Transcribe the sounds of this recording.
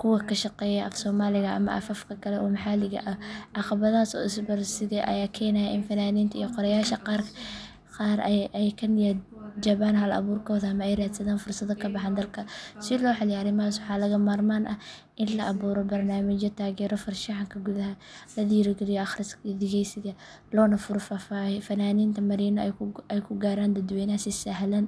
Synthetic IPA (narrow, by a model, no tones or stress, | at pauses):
kʰʊwɐkʰɐʃɑqɛːjɛʔɐfsɔːmaːlɪɣɐʔɐ̰mɐ̰ʔɐ̰fɐfkʰɐkʰɐlɛʔɔːmɐħaːlɪɣɐ̰ʔɐʔɑqɑβɐðaːsɔ̰ːɪsbɐrsɪɣɛʔɐ̰jaːkʰɛːnɐjɐɪnfɐnaːniːnt̪ʰɐḭjqɔɾɐjaːʃɐqɑːrkʰɐ̥ | qɑːɾɛjkʰɐnja | d͡ʒɐβaːnɦɐlɐ̰βuːrkʰɔːðɐɐmɐɛjraːd̪sɐðaːnfʊrsɐðɔkʰɐbɑħand̪ɐlkʰɐsɪlɔːħɑlɪjɐɾɪmɐɦaːswɑħɑːlɐɣɐmaːrmaːnʔɐh | ʔɪnlɐʔɐβuːɾɔbɐrnaːmɪt͡ʃɔt̪ʰaːɣɛːɾɔfɐrʃiʕaŋkʰɐɡʊðɐɦɐlɐðiːɾɪɡɛlɪjɔʔɑxrɪskd̪ɪɣɛjsɪɣɐ | lɔːnɐfʊɾfafahɪfɐnaːniːnt̪ʰɐmɐɾiːnɔɛjkʰʊɡaːɾaːnd̪ɐd̪wɛːnɐhɐsɪsɐɦlɐn